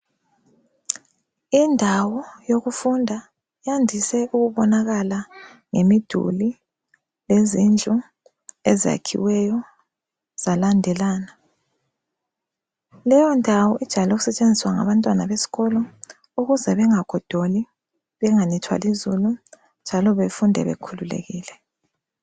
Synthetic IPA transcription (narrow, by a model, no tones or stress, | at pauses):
indʱawɔjoɣufundʱa | jandʱisɛʔuɣuβɔnaɣala | ŋemid̥ʱṵli | lezind͡ɮʱu | ezija̰kʰḭwɛjɔ | z̥alandʱɛlaːna | lɛjɔndʱawɔʔid̥ʒ̥ʱalɔoɣusɛt͡ʃʼend͡zʱiswaŋa̰βantʼwanaβesi̥ɣɔlɔ | uɣuzɛβɛŋaɡ̥ʱɔd̥ʱoli | βɛŋanitʰwa̰lizulu | nd͡ʒʱalɔβefundʱɛ̰βḛkʰululḛɣiːlɛ